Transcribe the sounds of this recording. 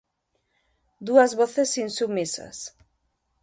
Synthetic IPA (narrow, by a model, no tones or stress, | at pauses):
d̪uɐzβoθesinsumisɐ̰s